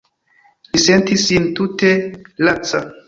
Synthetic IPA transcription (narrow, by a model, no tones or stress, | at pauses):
lisentisintutelat͡sa